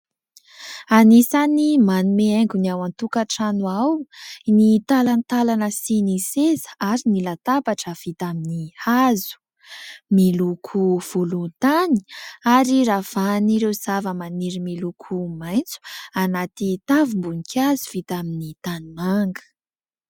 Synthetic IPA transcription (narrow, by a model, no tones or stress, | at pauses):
anisanimanumeeŋɡuniawant̪ukaʈ͡ʂanwawnit̪alanit̪alanəsinisezə̥aɾinilat̪apaʈ͡ʂəv̥it̪aminihazu̥ | milukʰuv̥ulunt̪ani̥aɾiɾav̥aniɾewz̥avəmaniɾimilukʰumajnt͡su̥anat̪it̪avumbunikʰʲazuv̥it̪aminit̪animaŋɡə̥